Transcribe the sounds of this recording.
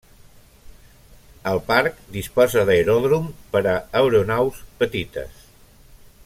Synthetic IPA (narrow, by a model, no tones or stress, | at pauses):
əlˠpaɾkd̪ispɔzəðəjɾɔðɾumpəɾəəwɾunawspət̪it̪ə̰s